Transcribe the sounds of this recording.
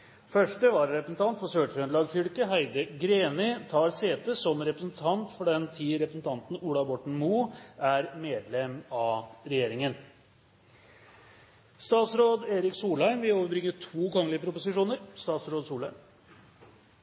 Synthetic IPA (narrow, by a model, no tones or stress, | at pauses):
fœʂʈəʋɑɾɾɛpɾəsn̩t̪ʰɑnt̪fɔɾsøːʈɾœnlɑːɡfʏlkəɦæɪd̪əɡɾeːnɪt̪ʰɑːɾseːt̪əsɔmɾɛpɾəsn̩t̪ʰɑnt̪fɔɖɛnt̪ʰiːɾɛpɾəsn̩t̪ʰɑnt̪n̩uːlɑbɔʈɳ̩muːʔæɾmeːd̪lɛmːɑɾɛjeːɾɪŋən | st̪ɑːt̪sɾoːd̪eːɾɪksuːlæɪmʋɪloːʋəɾbɾɪŋːəʈʰuːkʰɔŋlɪəpʰɾʊpʊsɪʂuːnəɾst̪ɑːt̪sɾoːd̪suːlæɪm